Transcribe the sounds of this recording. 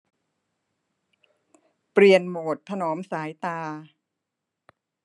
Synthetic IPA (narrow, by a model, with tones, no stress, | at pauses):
pɾi˨˩ənmoː˨˩t̪̚p̪ʰːa˧noː˩˦msaː˩˦jt̪aː˧